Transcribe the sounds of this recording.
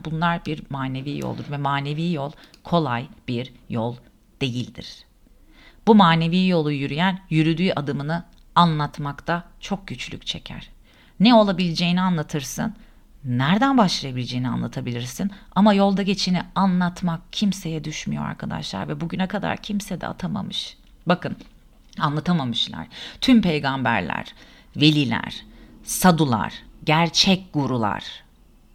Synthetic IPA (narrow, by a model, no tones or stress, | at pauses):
bunlˠaɾbiɾmaːne̞viːjo̰lˠd̪uɾvɛmaːne̞viːjolˠkʰo̞lˠajb̥iɾjolˠ | d̪̥e̞jilʲd̪ḭɾ̝̥ | b̥umaːne̞viːjo̞lˠujyɾyjænjyɾyd̪yːʔad̪ɯmɯnɯ | anlˠat̪makt̪ʰa | t͡ʃʰo̞k̚ɟyt͡ʃlʲy̰c̚ʲt͡ʃʰe̞̰cʰæ̰ɾ̥ | nɛo̞lˠabilʲed͡ʒe̞jinianlˠat̪ʰɯɾsɯ̰nː | æɾd̪ænbaʃlˠajabilʲed͡ʒe̞jinia̰nlˠat̪ʰabilʲiɾsinamajo̞lˠd̪aɟe̞t͡ʃʰinianlˠat̪mak̚cʰimse̞jɛd̪yʃmyjo̰a̰ɾkʰad̪a̰ʃlˠa̰ɾvɛbuɟynɛkʰad̪a̰ɾcʰimsɛd̪ɛ̰a̰t̪ʰama̰mɯʃ | bakɯn | anlˠat̪ʰamamɯʃlˠa̰ɾ̥t̪ʰympe̞jɡambæ̰ɾlʲæ̰ɾ̥ | ve̞lʲilʲæ̰ɾ̥sad̪ulˠa̰ɾ̥ɟæɾt͡ʃʰɛc̚ɡ̥uɾulˠa̰ɾ̥